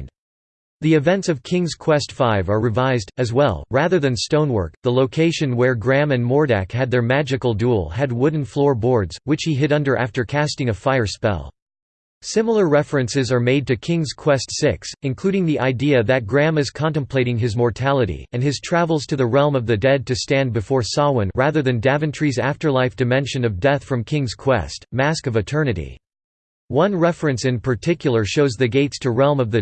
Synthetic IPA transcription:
ðiɨvɛ̃ntsʌv̥kʰɪ̃ŋz̥kʰw̥ɛstfaɪvə˞ɹɨvaɪzdɨzwɛ̰lˠɹæðə˞ðɨ̃nstõʊ̃nwɜ̰˞k̚ðəloʊkʰeɪʃɨ̃nwə˞ɡɹæ̃mɨ̃nmɔɹɾæ̰khɨd̪̚ðə˞mæd͡ʒɨkl̩ˠdulˠɨd̚wʊdⁿn̩flɔɹbɔɹdz̥wɨt͡ʃhiɦɪɾʌ̃ndə˞ʔæ̰ftə˞kʰæstɪ̃ŋɨfaɪə˞spɛ̰lˠ | sɪ̃ml̩ˠə˞ɹɛfɹɨ̃nsɨzə˞meɪd̚tɨkʰɪ̃ŋz̥kʰw̥ɛstsɪksɨ̃nkʰl̥ʉɾɪ̃ŋðiʔaɪdiɨðɨt̚ɡ̥ɹæ̃mɨz̥kʰɑ̃ntɨ̃mpʰl̥eɪɾɪ̃ŋɨzmɔɹtʰælˠəɾḭɨ̃nɨz̥tʰɹ̥ævl̩ˠz̥tʰɨðɨɹɛlˠmʌvðɨdɛd̚tɨstæ̃nbɨfɔɹsɑwə̃nɹæðə˞ðɨ̃ndævɨ̃ntʰɹ̥izæftə˞laɪfd̥ɨmɛ̃nʃɨ̃nʌvdɛθfɹʌ̃mkʰɪ̃ŋz̥kʰw̥ɛ̰stmæskʌvɨtʰɜ˞nɨɾḭ | wʌ̃nɹɛfɹɨ̃nsɨ̃npʰə˞tʰɪkjl̩ˠə˞ʃoʊzðɨɡeɪtstʰɨɹɛlˠmʌvðɨ

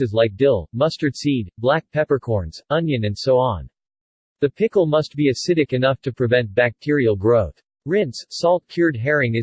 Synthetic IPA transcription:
ɨzlaɪk̚d̥ɪlˠmʌstə˞d̥sid̚blæk̚pʰɛpə˞kʰɔɹnz̥ʌ̃njɨ̃nɨ̃nd̥soʊɑ̃n | ðɨpʰɪkl̩ˠmʌst̚b̥iɨsɪɾɨkɨnʌftʰɨpʰɹ̥ɨvɛ̃nt̚b̥æk̚tʰɪɹil̩ˠɡɹoʊθ | ɹɪ̃ntssɔlˠt̚kʰj̥ʊɹd̚ɦɛɹɪ̃ŋɨ

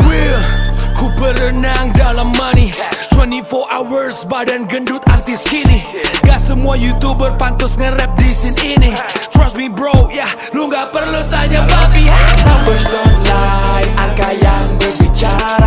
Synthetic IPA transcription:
wilkʰubəɾənaŋdalamːanit̪wɛntifɔʔawərsbadanɡəndʊt̪ant̪ɪskiniŋɡaʔsəmuajut̪ubərpant̪ʊsŋənrɛp̚disɪninit̪ɾɔs̚mibɾokja | luŋɡapərlut̪aɲabapiaabəsd̪ɔlajʔaŋkajaŋbərbit͡ʃaɾa

